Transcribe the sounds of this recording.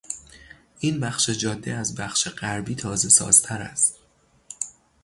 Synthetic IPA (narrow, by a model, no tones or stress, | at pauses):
ʔiːnbæxʃe̞d͡ʒɒːd̪ːeæzbæxʃe̞ɢæɾbiːt̪ʰɒːze̞sɒ̰ːz̥t̪ʰæɾæ̰st̪